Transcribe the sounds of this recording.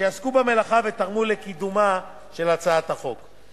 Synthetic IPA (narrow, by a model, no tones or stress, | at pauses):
jaskubame̞laχavet̪aʁmulekid̪uma | ʃe̞lat͡saat̪haχo̞k